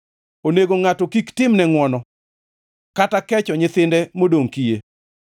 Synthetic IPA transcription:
oneɡoŋatɔkiktɪmnɛŋwɔnɔ | katakɛt͡ʃɔɲɪt̪ɪndɛmodoŋkije

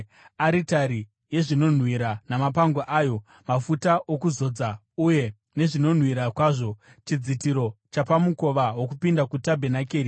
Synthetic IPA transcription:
aɾitaɾi | je̞ʐino̞n̤wiɾanamapaŋɡoʔaːjo̞ | mafutaʔokuzo̞d͡za | uje̞ | ne̞ʐino̞n̤wiɾakwaːʐo̞ | t͡ʃid͡zitiɾo̞t͡ʃapamuko̞ʋawo̞k̬upindakutabʱe̞nake̞ːɾi

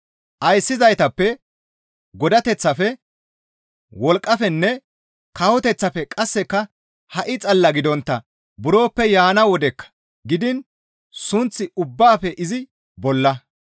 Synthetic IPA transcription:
ʔɐjsːɪzɐjt̪ɐpːɛ | ɡɔd̪ɐt̪ɛt͡sːɐfɛ | wɔlkʼːɐfɛnːɛ | kɐwɔt̪ɛt͡sːɐfɛkʼɐsːɛkːɐ | hɐʔɪt͡sʼɐlːɐɡɪd̪ɔnt̪ːɐ | bʊɾo̞ːpːɛjaːnɐwɔd̪ɛkːɐ̥ | ɡɪd̪ɪn | sʊnt͡sːɪʊbːaːfɛʔɪzɪ | bɔlːɐ

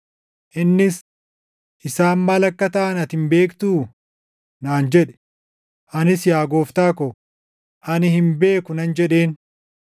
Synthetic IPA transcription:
ʔɪnːɪs | ʔɪsaːmːaːlɐkːɐt̪ɐʔɐnɐt̪hɪmbe̞ːkt̪uː | naːnd͡ʒɛᶑɛ̥ | ʔɐnɪsjaːɡoːft̪aːkɔ | ʔɐnɪhɪmbe̞ːkʊnɐnd͡ʒɛᶑe̞ːn

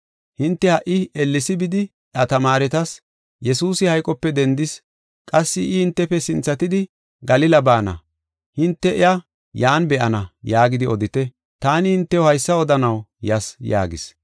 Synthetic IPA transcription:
hɪnt̪ːɛhɐʔɪɛlːɪsɪbɪd̪ɪ | ɐt̪ɐmaːɾɛt̪ɐs | jɛsuːsɪhɐjkʼɔpːɛd̪ɛnd̪ɪs | kʼɐsːɪʔːhɪnt̪ːɛpɛsɪnt͡sːɐt̪ɪd̪ɪ | ɡɐlɪlɐbaːnɐ̰ | hɪnt̪ːɛʔɪ̰jɐ | jaːnbɛʔɐnɐjaːɡɪd̪ɪɔd̪ɪt̪ɛ | t̪aːnɪhɪnt̪ːɛɔhɐjsːɐɔd̪ɐnɐwjɐsja̰ːɡɪs

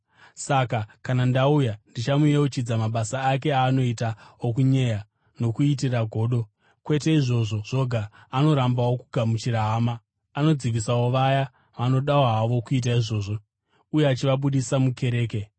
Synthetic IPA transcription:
sakakanandaujandit͡ʃamueot͡ʃid͡zamaɓasaːke̞aːno̞itaokuɲe̞ja | no̞kuit̬iraɡʱo̞ːɗo̞ | kwe̞te̞iʐo̞ʐo̞ʐ̥o̞ɡʱaːno̞ɾambawo̞kuɡʱamut͡ʃiɾaɦːmaː | no̞d͡ziʋisawo̞ʋaja | ʋano̞ɗawaɦaʋo̞kuit̬aiʐo̞ːʐo̞ | ujeat͡ʃiʋaɓuɗisamuke̞ɾe̞ːke̞

